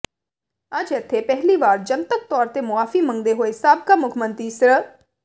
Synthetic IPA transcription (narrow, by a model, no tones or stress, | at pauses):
əd͡ʒɛt̪ʰːeːpɛɦliːʋaːɾd͡ʒənt̪ək̚t̪ɔːɾt̪eːmʊaːfiːmə̃ŋɡd̪eːɦoːesaːbkaːmʊkʰmənt̪ɾiːsəɾə